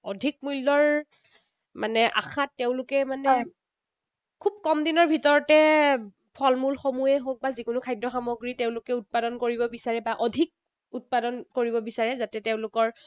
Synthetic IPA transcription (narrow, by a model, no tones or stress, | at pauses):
ɔdʱik̚mulːɔɹ | manɛʔa̰xʰatːeʊ̃lʊkɛmanɛ | kʰub̚kɔmdinɔɹbʱitɔɹɔtɛ | pʰɔlmulxomujɛɦok̚bazikʊnʊkʰajdɔxamɔɡɹiteʊ̃lʊkɛut̚padɔnkoɹibɔbisaɹɛbaʔɔdʱik̚ | ut̚padɔnkoɹibɔbisaɹɛzatɛteʊ̃lʊkɔɹ